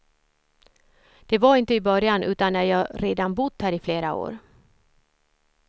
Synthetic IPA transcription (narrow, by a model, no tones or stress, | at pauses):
d̪̥ɛvaɾɪnt̪əɪbœɾjanʔʉ̟ːt̪anːæɾjɑːɾeːd̪anbʊd̪hæːɾɪfleːɾao̰ːɾ